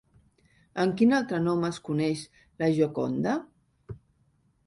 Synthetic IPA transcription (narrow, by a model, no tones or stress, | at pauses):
əŋkinalˠt̪ɾənɔməskunɛʃ | ləʒoko̰nd̪ə